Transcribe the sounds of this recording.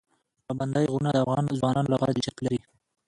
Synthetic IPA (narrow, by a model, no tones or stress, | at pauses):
pɑband̪ɑjɣunad̪əafɣɑnzwɑnɑnolaɣɑɾad̪ɪd͡ʒat̪laɾi